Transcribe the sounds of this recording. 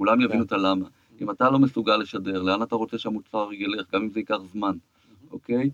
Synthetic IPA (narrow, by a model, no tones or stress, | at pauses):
kulamjavinut̪alama | imatalo̞mesuɡalːe̞ʃade̞ʁleanataʁo̞t͡seʃeamut̪t͡saʁeɡele̞χɡamimzeikaχzman | ʔo̞ke̞j